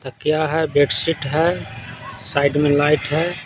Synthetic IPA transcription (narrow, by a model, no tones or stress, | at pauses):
t̪əkjaɦɛbeʈsiʈɦɛ | saːɪɖmẽlaɪʈɦɛ